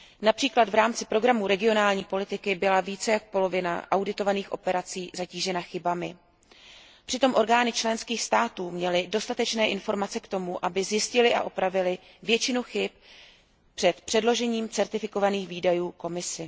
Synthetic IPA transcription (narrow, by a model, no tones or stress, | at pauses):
napr̥iːklad̪vɾaːmt͡sɪpɾo̞ɡɾamuɾɛɡɪo̞naːlɲiːpo̞lɪt̪ɪkɪbɪlaviːt͡sɛjakpo̞lo̞vɪna̰ʔawdɪt̪o̞vaniːxʔo̞̰pɛɾat͡siːzaciːʒɛnaxɪbamɪ | pr̥ɪt̪o̞mʔo̞ɾɡaːnɪt͡ʃlɛnskiːxst̪aːt̪uːmɲɛlɪdo̞st̪at̪ɛt͡ʃnɛːʔɪnfo̞ɾmat͡sɛkt̪o̞muʔabɪzjɪscɪlɪʔa̰ʔopɾavɪlɪ | vjɛt͡ʃɪnuxɪp̚ | pr̥ɛt̪pr̥ɛdlo̞ʒɛɲiːmt͡sɛɾt̪ɪfɪko̞vaniːxviːdajuːko̞mɪsɪ